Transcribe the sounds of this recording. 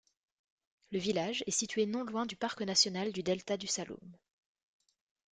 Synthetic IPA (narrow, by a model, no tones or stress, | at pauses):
ləvilaʒɛsit̪ɥenɔ̃lwɛ̃d̪ypaʁknasjɔnald̪yd̪ɛlt̪ad̪ysalo̰m